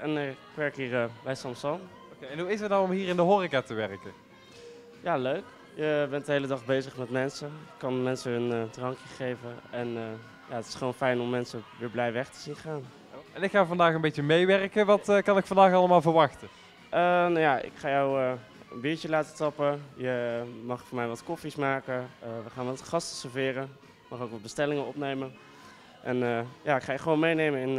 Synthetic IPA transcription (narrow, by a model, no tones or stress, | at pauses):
ʔɛnkʋɛɹkɦiːɹəbɛjsɑmsɑn | okeɛnɦuɪsətnawɔmɦiːrɪndəɦorikaːtəʋɛrkə | jaːløɥk | jəbɛnt̚dəɦejlədɑχbejzəχmɛtmɛnsəɪkkːɑnmɛnsəəndrɑŋkjəχejvəɛnə | jaətɪ̥sχəʋownfɛjnɔmːɛnsəʋɪːɹblɛjʋɛχtə̥zinχaːn | ɛnɪkxaːvɑndaːχənbejt͡ʃəmejʋɛrkəʋɑtkɑnɪkfɑndaːχɑlˠəmaːlˠvəɹʋɑxtə | ʔənajaʔɪ̰kχaːjɔwə | ənbɪːɹt͡ʃəlaːtətɑpəjəmɑχfʊːɹmɛjʋɑtkɔfismaːkəəʋəχaːnʋɑtχɑstə̥səɹvɪːrən | kmɑχoːkʋɑt̚bəstɛlɪŋənɔpnejmən | ʔɛnəjaːɪkχaːjəχʋownmejnejmənɪn